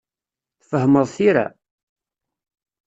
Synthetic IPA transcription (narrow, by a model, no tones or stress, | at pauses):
θfəɦməðˤθiɾa̰